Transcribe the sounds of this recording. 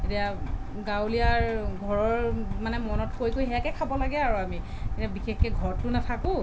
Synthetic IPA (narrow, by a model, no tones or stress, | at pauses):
etia | ɡawliaɹɡʱɔɹɔɹmanɛmɔnɔtkojkojɦɛjakɛkʰabɔlaɡɛaɹuami | kitabixexkɛɡʱɔɹɔtʊnatʰakʊ̃